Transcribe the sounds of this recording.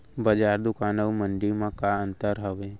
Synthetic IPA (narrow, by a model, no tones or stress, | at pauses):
bəd͡ʒaːɾd̪ʊkaːnəʋmə̃ɳɖimãkaə̃nt̪əɾɦəʋeː